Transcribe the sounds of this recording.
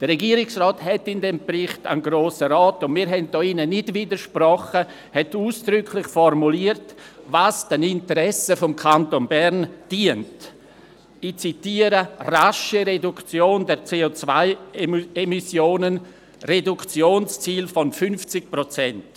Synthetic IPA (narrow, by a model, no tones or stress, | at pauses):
d̥əɾɛɡiːɾɪksrɔːthɛtɪndɛmbrɪχta̰nɡɾoːsəɾɔːtʊnmiːɾɦɛnt̚d̥ɔːinənɪdvidəɾʃprɔχə | hɛtuːsd̥ɾʏkʰlɪχfɔrmuliːəɾt | vaːsd̥ənɪntəɾɛsəfɔmkʰantonbɛɾnd̥iənt | ɪt͡sitiːəɾəraʃiɾedukt͡sjoːndɛɾt͡seːot͡svaɪemisjoːnən | redukt͡sjoːnst͡siːlfɔnfʏnft͡sɪk̚pɾot͡sɛnt